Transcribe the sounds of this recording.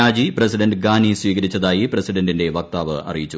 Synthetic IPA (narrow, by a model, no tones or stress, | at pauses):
aːd͡ʑiprɐsiɖɐndɡaːniswiːɣɐɾit͡ɕːɐðaːjiprɐsiɖɐndinde̞ʋɐk̚t̪aːʋɨʔɐ̰rijit͡ɕːu